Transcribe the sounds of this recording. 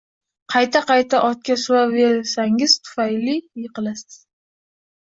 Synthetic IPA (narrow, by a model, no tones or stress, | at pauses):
qʰɑjt̪ʰaqʰɑjt̪ʰaʔɒt̪̚kʲasʊwave̞ɾsaŋɪz̥t̪ʰʊ̥fajlɪjeqʰɨlasɪz̥